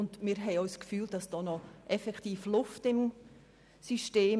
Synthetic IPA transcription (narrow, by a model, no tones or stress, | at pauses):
ʊndmɪːɾɦɛɪɔʏskfyːld̥ɑsd̥ɔːnɔʔɛfɛkχtiːflʊftɪm | siʃteː